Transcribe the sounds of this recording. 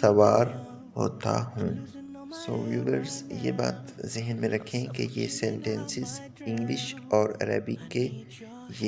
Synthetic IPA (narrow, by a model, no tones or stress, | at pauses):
sɐwaːɾ | ɦo̰ːt̪a̰ɦũː | soːʋuːʋəɾzjḛbaːt̪zɪɦnmẽɾɐkʰẽkejesɛ̃ɳʈẽnsɪz | ɪ̃ŋɡlɪʃɔːɾɐ̰ɾa̰ːbike | je